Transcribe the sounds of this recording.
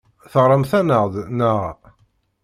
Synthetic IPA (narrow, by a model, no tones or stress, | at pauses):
θəʁɾˤəmθænəʁðnəʁ